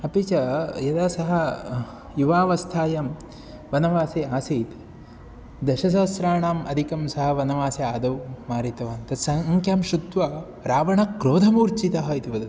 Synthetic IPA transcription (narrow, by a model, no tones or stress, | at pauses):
ɐpit͡ʃɐjɐd̪aːsɐɦɐ | juʋaːʋɐst̪ʰaːjɐm | ʋɐnɐʋaːseaːsiːt̪ | d̪ɐʃɐs̬aːsɾaːɳaːmʔɐd̪ʱikɐmsɐɦɐ̆ʋɐnɐʋaːseaːd̪ɐwmaːɾit̪ɐʋaːnt̪ɐsɐŋkʰjaːmʃud̪ʋɐ | ɾaːʋɐɳɐkɾoːd̪ʱɐmuːɾt͡ʃit̪ɐɦɐit̪iʋɐd̪ɐ